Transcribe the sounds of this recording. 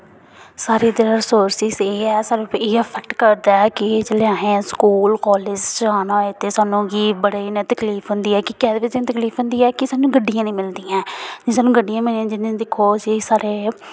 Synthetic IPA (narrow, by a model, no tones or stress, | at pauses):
saːɾiːd̪ɪɾãːɾsoːɾsɪzeːɛːsaːɾeapʰəkʈkəɾd̪aːkɪt͡ʃəleãːɦẽːskuːlkɔːlɪːd͡ʒt͡ʃaːnãːet̪eːsaːnũːɡiːbəɽaːinɛ̃ːt̪əkliːpʰɦʊnd̪iːɛːkɪkɛːd̪eːʋɪt͡ʃːd͡ʒɪ̃t̪əkliːpʰɦʊ̃nd̪iːɛːkɪsaːnũːɡəɖːijãːnĩːmɪld̪iːãːd͡ʒisaːnũːɡəɖijãːmɪlĩãːd͡ʒɪnːẽːd̪ɪkʰːoːd͡ʒiːsaːɾeː